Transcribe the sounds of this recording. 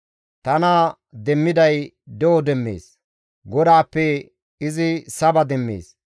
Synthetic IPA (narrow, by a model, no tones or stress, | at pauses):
t̪ɐna | d̪ɛmːɪd̪ɐj | d̪ɛwɔd̪ɛmːḛːs | ɡɔd̪aːpːɛ | ɪzɪsɐbɐd̪ɛmːḛːs